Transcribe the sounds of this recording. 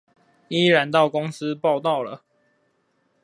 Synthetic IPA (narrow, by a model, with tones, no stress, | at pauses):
i˦ɻa˨˦nt̪ɑ˥˨ʊko˦ŋs̩˦pɑ˥˨ʊt̪ɑ˥˨ʊlə̰˩